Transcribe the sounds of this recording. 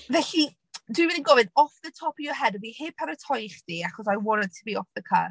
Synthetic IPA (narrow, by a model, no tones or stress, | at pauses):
vɛɬi | dwiwɪdinɡɔvɨnɔfðətʰɔpʰiɔɦɛdəviheːpʰaɾətʰɔjχd̥iaχɔsajwɔnəd̚tʰəbiɔfðəkʰə̰r